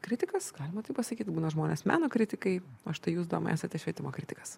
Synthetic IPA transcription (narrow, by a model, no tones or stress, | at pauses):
kɾʲɪt̪ʲɪkɐsɡ̥ɑːlʲɪmɐt̪ɐɪpɐsɐkʲiːt̪buːnɐʒmoːnʲeːsmʲæ̰ːnoːkɾʲɪt̪ʲɪkɐɪɐʃt̪ɐɪjuːsd̪o̰ːmɐ̰æ̰ːsʲɐt̪ʲɛʃʲʋʲiɛt̪ʲɪmoːkɾʲɪt̪ʲɪkɐs